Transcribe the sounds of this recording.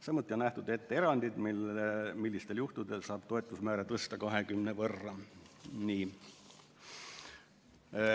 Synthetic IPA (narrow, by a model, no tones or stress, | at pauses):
sɑmːut̪ʲˑːio̞nnæht̪ud̪e̞t̪ːeeɾɑnʲd̪̥id̪milːemilːist̪e̞ljuht̪ud̪e̞lsɑːb̥t̪o̞et̪ˑːusmæːɾet̪ɤst̪ɑkɑɦekymnevɤrːɑniː